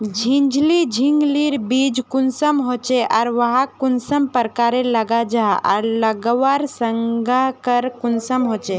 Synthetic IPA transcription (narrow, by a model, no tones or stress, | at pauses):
d͡ʒʱĩnd͡ʒlid͡ʒʱĩŋɡliɾbid͡ʒkʊnsəmɦot͡ʃeʔaːɾʋəɦakʊnsəmpəɾkaɾeləɡad͡ʒaa̰ɾləɡʋaɾsəŋɡakəɾkʊnsəmɦot͡ʃe